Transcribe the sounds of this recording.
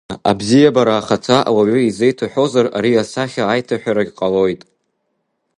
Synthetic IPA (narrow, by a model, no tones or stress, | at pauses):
a̰bzijabaɾaːχat͡sʰaʔa̰waɥʏizejtʰaħʷᶣo̞zaraɾiasaχʲaːjtʰaħᶣaɾaɡʲqʼalo̞jtʼ